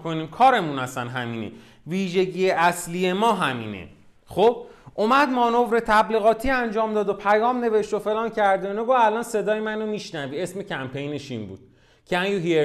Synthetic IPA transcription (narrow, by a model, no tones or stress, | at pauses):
kʰoniːmkʰɒːɾe̞munæsænɦæmiːnḛ | viːʒe̞ɟijeʔæslijemɒːɦæmḭːnḛ | xob̥ʔomæd̪mɒːno̞vɾe̞t̪ʰæbliːɣɒːt̪ʰiːænd͡ʒɒːmd̪ɒːd̪opʰæjɒːmne̞ve̞ʃt̪ofe̞lɒːncʰæɾd̪einoɡovælɒːnse̞d̪ɒːjemænomiːʃnæviːe̞sme̞cʰæmpʰe̞jneʃimbṵːd̪̥ | cʰeænɡuɦie